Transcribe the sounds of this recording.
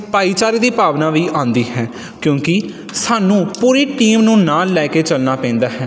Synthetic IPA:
paːiːt͡ʃaːɾeːd̪iːpaːʋnãːʋiːʔãːnd̪iːhɛː | kjõːkɪ | saːnũːpuːɾiːʈiːmnũːnaːlːɛːkeːt͡ʃəlnaːpɛ̃ːnd̪aːɦɛː

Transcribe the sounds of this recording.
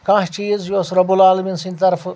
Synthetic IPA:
kãɦt͡ʃiːzjoːsɾɐbulaːlminsinʲt̪ɐɾf

